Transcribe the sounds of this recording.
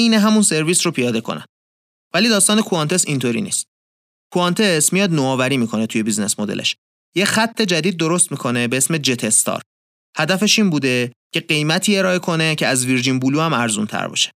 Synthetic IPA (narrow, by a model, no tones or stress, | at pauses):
ineɦæmunse̞ɾviːsɾopʰijɒːd̪e̞kʰo̞̰næ̰nd̥̪ | væliːd̪ɒːst̪ɒːne̞kʰuɑnt̪ʰe̞sint̪ʰoɾḭːnḭːst̪̚ | kʰuɑnt̪ʰe̞smijɒːd̪noɒːvæɾiːmiːkʰo̞net̪ʰuje̞bizne̞̰smod̪elʔḛʃ | jexæt̪ʰːe̞d͡ʒæd̪iːd̪̚ːoɾo̞st̪miːkʰo̞ne̞beesme̞d͡ʒet̪ʰest̪ɒ̰ːɾ | hæd̪æfe̞ʃiːnbuːd̪e̞cʰeɢe̞jmæt̪ʰiːeɾɒːe̞kʰo̞ne̞cʰeæzviɾd͡ʒinbuluːæmæɾzṵnt̪ʰæ̰ɾbɒ̰ʃe̥